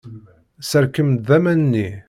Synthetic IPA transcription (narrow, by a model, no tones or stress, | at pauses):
səɾkəmd̪ðæmænnːi